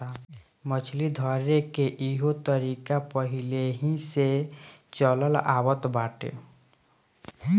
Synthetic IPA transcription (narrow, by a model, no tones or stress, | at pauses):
mət͡ʃʰlid̪ʱɔɾekeʔiɦot̪əɾikapəɦileɦĩset͡ʃələlaːwət̪baːʈḛ